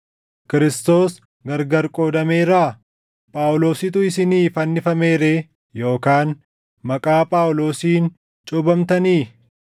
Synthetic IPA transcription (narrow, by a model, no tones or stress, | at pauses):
kɪɾɪst̪o̞ːs | ɡɐɾɡɐɾkʼo̞ːd̪ɐme̞ːɾaː | pʼaːwlo̞ːsɪt̪ʊɪsɪniːfɐnːɪfɐme̞ːɾeː | jo̞ːkaːn | mɐkʼaːpʼaːwlo̞ːsiːn | t͡ʃʼʊbɐmt̪ɐniː